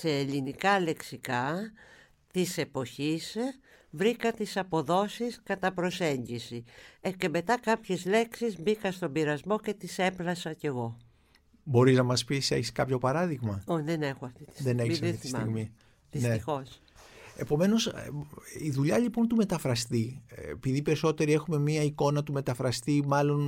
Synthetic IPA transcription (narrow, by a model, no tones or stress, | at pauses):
se̞ːʎinikɐle̞ksikɐ | t̪ise̞po̞çis | vɾikɐt̪isɐpo̞ðo̞siskɐt̪ɐpɾo̞se̞ɲɟisice̞me̞t̪ɐkɐpçezle̞ksizbikɐst̪o̞mbiɾɐzmo̞ce̞t̪ise̞plɐsɐce̞ɣo̞ | bo̞ɾiznɐmɐspisḛçiskɐpço̞pɐɾɐðiɣmɐonenexoɐft̪it̪i̥sðeneçmiseiθisɐiɣmi | ðisneixo̞s | epo̞me̞no̞s | iðuʎɐʎipo̞nt̪ume̞t̪ɐfɾɐst̪ipiðipe̞ɾiso̞t̪e̞ɾie̞xume̞miɐiko̞nɐt̪ume̞t̪ɐfɾɐst̪imɐlo̞n